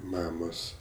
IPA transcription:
ˈmɑːmoːs

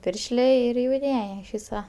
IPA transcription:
ˈpʲɪrʲʃʲlʲeː ˈɪr jɛʊˈnʲiɛj ɪʃ ˈʋʲiːsɐ

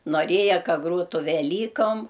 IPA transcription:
noːˈrʲeːjɛ ˈkɐ ˈɡroːtʊ ʋʲɛˈlʲiːkoːm

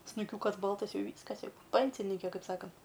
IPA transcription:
snʊˈkʲuːkɐs ˈbɐlˠtɐs ˈjɛʊ ˈʋʲiːskɐs ˈjɛʊ ˈpʲɛnʲsʲɪnʲiːkʲɛ ˈkɐɪp ˈsɑːkɐnt

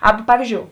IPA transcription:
ˈɑːbɐ ˈpɑːʋʲiːzʲd͡ʒʲoːʊ

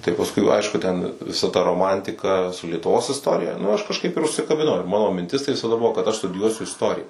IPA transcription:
tɐɪ pɐsˈkʊɪ ˈɐɪʃkʊ ˈtʲɛn ʋʲɪˈsɐ tɐ roːˈmɐnʲtʲɪkɐ sʊ lʲiɛtʊˈʋoːs ɪsˈtoːrʲɪjɛ nʊ ɐʃ kɐʃˈkɐɪp ɪr ʊʃʲsʲɪkɐbʲɪˈnɐʊ ˈmɑːnoː mʲɪnʲˈtʲɪs tɐɪ ʋʲɪsɐˈdɐ ˈbʊʋoː kɐt ɐʃ stʊdʲɪˈjuɔsʲʊ ɪsˈtoːrʲɪjɛ

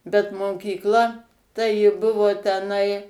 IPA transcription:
bʲɛt moːkʲiːkˈlˠɐ tɐɪ jɪ ˈbʊʋoː tʲɛˈnɐɪ

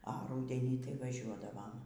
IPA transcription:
ɐ ˈruːdʲɛnʲiː tɐɪ ʋɐˈʒʲuɔdɐʋɐm

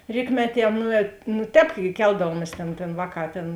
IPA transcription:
ˈrʲiːkmʲɛˌtʲiɛ ˈnuːɛt nʊ ˈtʲɛːp ɡʲɪ ˈkʲɛlˠdɐʋuɔmʲiɛs tʲeːn tʲeːn ˈʋɑːˌkɑː ˈtʲeːn

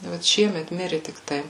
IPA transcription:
ʋɐt ˈʃʲiɛmʲɛt ˈmʲɪrʲɪ tʲɪkˈtɐɪ

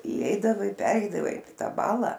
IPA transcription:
iːˈɛɪdɐʋɐɪ ˈpʲæːrʲɛɪdɐʋɐɪ ˈtɑː ˈbɑːlˠɐ

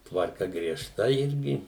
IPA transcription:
tʋɐrˈkɐ ɡrʲiɛˈʃtɐ ˈɪrʲɡʲɪ

